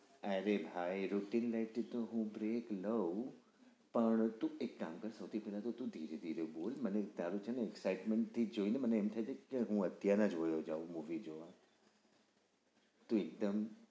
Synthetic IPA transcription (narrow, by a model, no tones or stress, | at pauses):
aɾebʱaːiɾuʈinlaɪʈt̪oɦũbɾeːkləu | pɐɳ̃t̪ũekːaːmkɐɾsɐʋt̪ʰipɛːlat̪ʰot̪ũd̪ʱiːɾed̪ʱiːɾeɓoːlmɐnet̪ãlut͡ʃʰãneeksaːɪʈmẽɳʈ̚t̪ʰːid͡ʒoːĩnd̪məneeːmt̪ʰad͡ʒekeɦũɐt̪janãd͡ʒʋojod͡ʒaːumuːʋid͡ʑoa | t̪ũek̚d̪əm